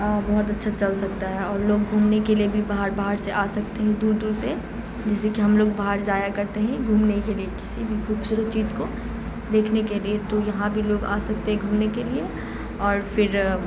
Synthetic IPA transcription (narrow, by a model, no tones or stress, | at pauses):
əbɔɦʊt̪ɐtːʃʰat͡ʃɐlsɐk̚t̪aɦɛɔːɾloːɡ̚ɡʱuːmnekeliebʱibaːɦəɾbaɦəɾseʔaːsɐkt̪eɦɛ̃d̪uːɾd̪uːɾse | d͡ʒɛːsekiɦɐmloːɡbaːɦəɾd͡ʒaːjakɐɾt̪eɦɛ̃ɡʱuːmnekeliekɪ̥sibʱikʰuːbsuːɾət͡ʃiːd͡ʒko | d̪eːkʰnekeliet̪ojɐɦãbʱiloːɡa̰ːsɐk̚t̪eɦɛ̃ɡʱuːmnekelie | ɔːɾfɪɾ